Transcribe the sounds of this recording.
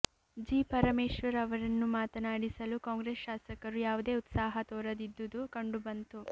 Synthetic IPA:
d͡ʒiːpɐɾɐmeːʃʋɐɾɐʋɐɾɐnːumaːt̪ɐnaːɽisɐlukaːŋɡɾeːsʃaːsɐkɐɾujaːʋud̪e̞ːut̪saːɦɐt̪ɔːɾɐd̪id̪ːud̪ukɐɳɖubɐnt̪u

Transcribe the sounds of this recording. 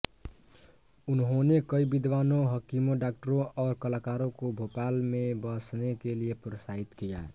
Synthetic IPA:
ʊnɦonekəibid̪wanõɦəkimõɖak̚ʈəɾõʔɔːɾkəlakaɾõkobʱopalmebəsnekelijepɾosaɦit̪kija̰

